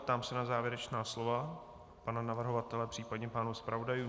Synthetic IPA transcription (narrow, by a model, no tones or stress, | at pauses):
pt̪aːmsɛnazaːvjɛɾɛt͡ʃnaːslova | pananavr̩ɦovat̪ɛlɛpr̥iːpadɲɛpaːnuspɾavodajuː